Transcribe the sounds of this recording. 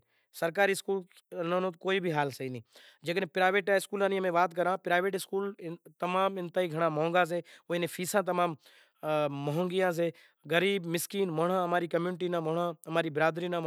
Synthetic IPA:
səɾkaːɾiːskuːl | nənõkoːiːbʱiɦaːlsəiːnĩːd͡ʒeːknẽpɾaːɪʋeːʈãɪskuːlãːnĩəmẽːʋaːt̪kəɾãːpɾaːɪʋeːʈɪskuːlt̪əmaːmɪnt̪aːiɡʱəɽ̃ãːmɔ̃ːŋɡaːs̬eːoɪnẽːpʰiːsãːt̪̬əmaːmː | ɔɦə̃ŋɡijãːs̬eː | ɣəɾiːbmɪskiːnmoɽãːɦɐmaːɾiːkəmjuːnɪʈ̬iːnãːmoɽãːɐmaːɾiːbɪɾaːd̪ɾiːnãm

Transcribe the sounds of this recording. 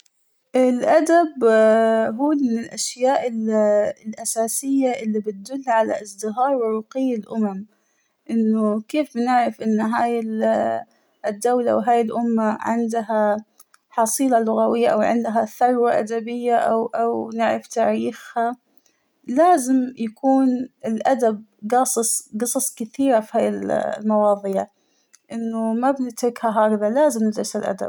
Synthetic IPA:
ʔɪlʔad̪ab | ɦuːmɪnɪlʔaʃjaːʔɪllʔasaːsɪjːaʔɪlːibɪt̪̚d̪ʊlːʕala̰ʔɨsˤd̪ɨɦɑːɾˤwʊɾˤuːqɪjːalʔʊmam | ʔɪnːʊkeːfnɪʕɾɑfʔɪnːɦaːjɪ | d̪ːawlaʔawɦaːjɪlʔʊmːaʕɪ̰nd̪ɦa | ħɑsˤiːlalʊɣawɪjːaʔa̰wʕɪ̰nd̪ɦaθɑɾˤwaʔad̪abɪjːaʔawʔawnɪʕɾɑft̪aːɾiːxha | laːzɪmjakuːnɪlʔad̪ab̚ɡɑsˤɨsˤɡɑsˤɑsˤkɪθiːɾafihaːjɪllmɑwɑːðˤiːja | ʔɪnːʊmabnɪt̪ɾɪkhaɦaːkðalaːzɪmnɪd̪ɾɪsɪlʔa̰d̪a̰b̥̚

